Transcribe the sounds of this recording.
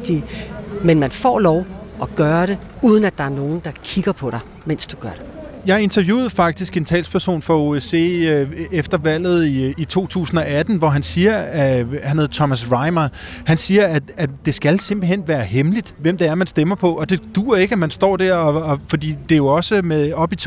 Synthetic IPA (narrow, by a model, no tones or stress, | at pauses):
d̥imenmænfɒ̰ːlɒʊɒɡ̥ɶːɐɾe̝ | uːð̞ˠn̩æd̥ɑ̈æɐno̝ːn̩d̥ɑ̈kʰiɡ̥ɐpʰɒ̽ɾ̥ɑ̈ɪ | men̰sd̥uɡ̥ɶɐ̰ɾ̥ejɑ̈ɪe̝nt͡sʰɐʋjṵːðˠfɑ̈ɡ̥̚d̥isɡ̥e̝nt͡sʰɛ̰ːlspʰæɐso̝̰ːnfʁɑo̝ese̝̰efd̥ɐʋæl̰ð̞̩ˠiit͡sʰo̝̰ːt͡sʰṵːsn̩ɒ̽æd̥n̩ʋɒɦænsiːɐhænheð̩ˠt͡sʰɒmæs̬ʁɑ̈ɪmɐhænsiːɐææd̥e̝sɡ̥ælse̝mb̥l̩ɦen̰ʋæːɐɦemlid̥ʋem̰d̥eæɐmænsd̥emɐpʰɒ̽ʔɒ̽d̥e̝d̥uːɐe̝ɡ̥æmænsd̥ɒ̰ːd̥æɐ̰ɒ̽ɒfɒ̽d̥ḭːd̥e̝jo̝ɒ̽səmeðˠɒ̽b̥it͡sʰ